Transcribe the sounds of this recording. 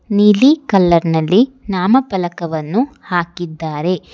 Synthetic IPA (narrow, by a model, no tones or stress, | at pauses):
nilikɐlːɐɾnɐlːinaːmɐpɐlɐkɐʋɐnːuhaːkid̪ːaːɾe̞